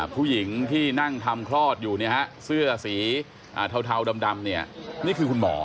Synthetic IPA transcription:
pʰuː˥˩ji˩˦ŋt̪ʰiː˥˩na˥˩ŋt̪ʰa˧mkʰɾɔː˥˩t̪̚juː˨˩ni˦˥˩ha˦˥sɯ˥˩ɐsiː˩˦ | ʔaː˨˩t̪ʰa˧wt̪ʰa˧wda˧mda˧mni˥˩ɐniː˥˩kʰɯː˧kʰu˧nmɔ̰ː˩˦

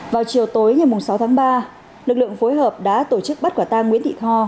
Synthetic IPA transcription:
vaː˨˩wt͡ɕi˨˩əwt̪o˨˦jŋa˨˩jmʊ˨˩ŋ͡msa˨˦wt̪ʰaː˨˦ŋɓaː˧ | lɨ˨˩k̚lɨ̰˧˨əŋfo˨˦jɦəː˨˩p̚ɗa̰ː˧˥t̪o˧˩t͡ɕɨ˦˥k̚ɓa˦˥t̚kaː˧˩t̪aː˧ŋwḭ˧˥nt̪ḭ˧˨t̪ʰɔ˧

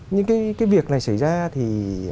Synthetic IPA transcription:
ɲɨ˧ŋkaː˨˦jkaː˨˦jvi˨˩ək̚na˨˩jsa˧˩jzaː˧t̪ʰi˨˩

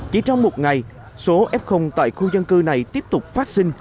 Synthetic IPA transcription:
t͡ɕi˨˧˩t͡ɕɔ˧wŋ͡mmo˨˩t̚ŋa˨˩j | so˨˦ʔɛ˦˥p̚xə˧wŋ͡mt̪a̰ː˧˨jxu˧zə˧nkɨ˧na˨˩jt̪i˦˥əp̚t̪ʊ˨˩k͡p̚faː˦˥t̚si˧ŋ̟

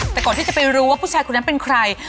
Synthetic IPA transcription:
t̪ɛː˨˩kɔː˨˩nt̪i˥˩t͡ɕa˨˩pa˧jɾuː˦˥waː˥˩pʰuː˥˩t͡ɕʰaː˧jkʰo˧na˦˥npe˧nkʰɾa˧j

